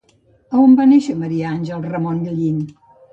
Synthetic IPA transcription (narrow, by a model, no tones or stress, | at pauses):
əumbaneʃəməɾiəanʲʒəlˠrəmonʎəʎin